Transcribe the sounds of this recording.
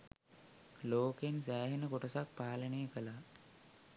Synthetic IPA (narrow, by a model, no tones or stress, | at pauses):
loːkensæːɦenəkoʈəsak̚paːlənejəkəla